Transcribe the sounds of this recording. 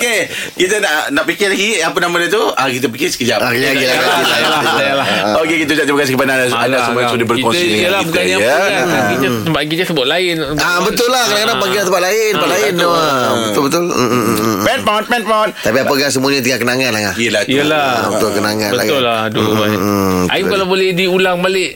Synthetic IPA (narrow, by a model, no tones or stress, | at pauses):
okekit̪ənanaʔpikɪrlaɡiap̬ənamadat̪uakit̪̬əp̬ikɪsə̥kəd͡ʒaʔaaɡilaialaalaokekit̪əd͡ʒaʔ̚t̪bəkasikipananasaasəmuaɲsodibərkoniəlabukanɲa | kit̪ət̪əmpaʔk̬it̪əsəbʊt̪̚laɪn | abət̪ʊlːahkadaŋkadaŋpaŋɡɪlat̪əpaʔ̪laɪnt̪əpaʔ̪laɪnbət̪ʊlbət̪ʊl | pɛnpaɔt̪̚pɛnpaɔt̪t̪apiapəɡaŋs̬əmũaɲat̪̬iŋaʔkənaŋanlahlahiəlahtiəlaət̪ʊkənaŋanbəat̪ʊlːaduaʔa̰jukalabolɛhdiulaŋbalɪʔ